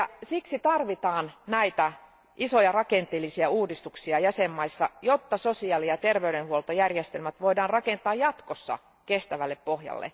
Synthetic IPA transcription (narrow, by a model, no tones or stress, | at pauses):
jɑsiksit̪ɑrʋit̪ɑːnnæit̪æ | ʔisojɑrɑkent̪eːlːisiæuːdist̪uksiɑjæsemːɑisːɑjot̪ːɑsosiɑːlijɑt̪erʋeyɾenhuolt̪ojærjest̪elmæt̪ʋoidɑːnrɑkent̪ɑːjjɑt̪kosːɑ̰ | kest̪æʋælːeppohjɑ̰lːḛ